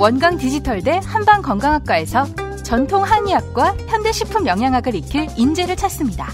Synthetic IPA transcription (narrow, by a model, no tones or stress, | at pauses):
wʌnɡaŋtid͡ʑitʰʌɭde̞hanbaŋkʌŋɡaŋɦak̚k͈ae̞sʰʌ | t͡ɕʌntʰoŋɦaɲijak̚k͈waçjʌndeɕʰipʰɯmjʌŋɦjaŋɦaɡɯɾikʰiɭind͡ʑe̞ɾɯɭt͡ɕʰas͈ɯmɲida